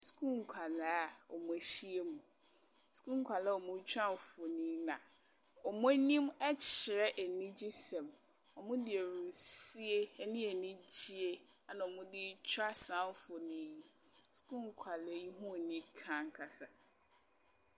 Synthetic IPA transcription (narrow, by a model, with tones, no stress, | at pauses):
skʰu˦˨ŋ̩˨kʰa˨la˨a˦ɔ˨mũ˨e˨ɕi˦e˦mũ˨ | skũ˦ŋ˨kʰa˨lɛ˦ɔ˨mʊ̃˦t͡ɕʰᶣa˦m˨fo˨nĩ˦nã˨ | ɔ˨mʊ̃˦æ˦nĩ˦mɛ˦t͡ɕʰɪ˨ɾɛ˦ʔæ˨nĩ˦d͡ʑi˦sɛ̃˨m | ɔ˨mʊ̃˦dɪ˨e˨ɾũ˨si˦e˦nĩ˦e˨nĩ˦d͡ʑi˦e˦ | a˨nã˨ɔ˨mʊ̃˦dɪ˦t͡ɕʰᶣa˦sã˦m˦fo˨nĩ˨ji˦ | su̥˨˦kũ˦˨ŋ˨kʰa˨le˨˦ji˦ɦũ˦˨nĩ˦kʰã˦ŋ˦kʰa˨sa˨